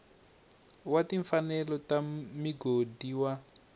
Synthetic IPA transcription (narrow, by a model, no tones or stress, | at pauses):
watiɱfanɛlɔtamiɡodiwa